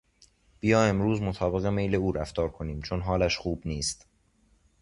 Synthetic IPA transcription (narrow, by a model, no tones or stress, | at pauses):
b̥ijɒːe̞mɾuːzmot̪ʰɒːbe̞ɣe̞me̞jle̞uːɾæft̪ɒːɾkʰo̞niːmt͡ʃʰo̞nɦɒːlæʃxuːbniːst̪